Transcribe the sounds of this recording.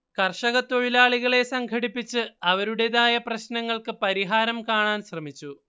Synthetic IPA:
kɐrʂɐɣɐt̪ːoɻilaːɭiɣɐɭe̞sɐŋɡʰʱɐɽipːit͡ɕːɨɐʋɐɾuɽeðaːjɐprɐɕnɐŋːɐɭkɨpɐɾiɦaːɾɐmkaːɳaːnɕrɐmit͡ɕːu

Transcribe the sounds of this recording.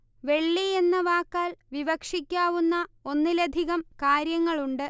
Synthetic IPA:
ʋe̞ɭːijenːɐʋaːkːaːlʋiʋɐkʂikʲːaːʋunːɐo̞nːilɐd̪ʱiɣɐmkaːɾjɐŋːɐɭuɳɖɨ

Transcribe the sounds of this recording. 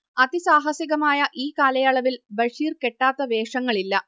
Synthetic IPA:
ɐd̪isaːɦɐsiɣɐmaːjɐʔiːkaːlɐjɐɭɐʋilbɐʂiːrke̞ʈːaːt̪ːɐʋe̞ːʂɐŋːɐɭilːɐ

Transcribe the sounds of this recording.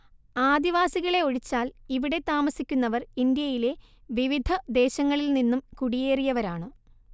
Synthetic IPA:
aːd̪iʋaːsiɣɐɭe̞oɻit͡ɕːaːliʋiɽe̞t̪aːmɐsikʲːunːɐʋɐrind̪jɐjile̞ | ʋiʋid̪ʱɐd̪e̞ːɕɐŋːɐɭilninːumkuɽijeːrijɐʋɐɾaːɳɨ

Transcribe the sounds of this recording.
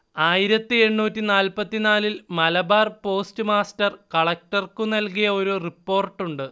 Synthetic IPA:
aːjiɾɐt̪ːɨe̞ɳːuːtːinaːlpɐt̪ːinaːlilmɐlɐbaːrpo̞ːstɨmaːstɐrkɐɭɐk̚ʈɐrkunɐlkijɐo̞ɾuripːo̞ːrʈːuɳɖɨ

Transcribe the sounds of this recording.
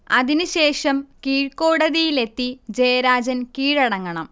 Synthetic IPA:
ɐðinɨɕe̞ːʂɐmkiːɻkoːɽɐðijile̞t̪ːid͡ʑejɐɾaːd͡ʑɐnkiːɻɐɽɐŋːɐɳɐm

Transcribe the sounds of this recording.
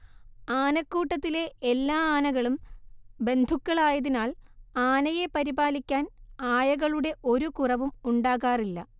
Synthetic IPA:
aːnɐkːuːʈːɐt̪ːile̞elːaːaːnɐɣɐɭumbe̞nd̪ʱukːɐɭaːjɐðinaːlaːnɐje̞pɐɾibaːlikʲːaːnaːjɐɣɐɭuɽe̞ʔo̞ɾukurɐʋumuɳɖaːɣaːrilːɐ

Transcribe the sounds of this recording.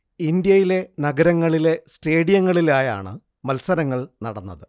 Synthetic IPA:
ind̪jɐjile̞nɐɡɐɾɐŋːɐɭile̞sʈe̞ːɽijɐŋːɐɭilaːja̰ːɳɨ̰ | mɐlsɐɾɐŋːɐɭnɐ̰ɽɐnːɐðɨ

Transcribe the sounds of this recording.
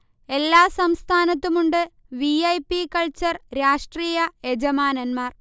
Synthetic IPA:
e̞lːaːsɐmst̪ʰaːnɐt̪ːumuɳɖɨ | ʋiɐjpikɐɭt͡ɕɐrɾaːʂʈriːjɐe̞d͡ʑɐmaːnɐnmaːr

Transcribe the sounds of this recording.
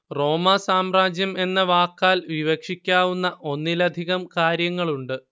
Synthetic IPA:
ro̞ːmɐsaːmraːd͡ʑjɐme̞nːɐʋaːkːaːlʋiʋɐkʂikʲːaːʋunːɐʔo̞nːilɐd̪ʱiɣɐmkaːɾjɐŋːɐɭuɳɖɨ

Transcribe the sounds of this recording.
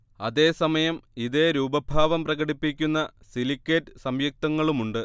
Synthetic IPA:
ɐðe̞ːsɐmɐjɐmiðeːɾuːbɐbʱaːʋɐmprɐɣɐɽipːikʲːunːɐsilikʲːeʈːɨsɐmjɐk̚t̪ɐŋːɐɭumuɳɖɨ

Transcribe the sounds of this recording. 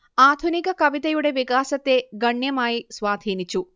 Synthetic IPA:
aːd̪ʱunikɐkɐʋit̪ɐjuɽeʋikaːsɐt̪ːeɡɐɳjɐmaːjisʋaːd̪ʱiːnit͡ʃu

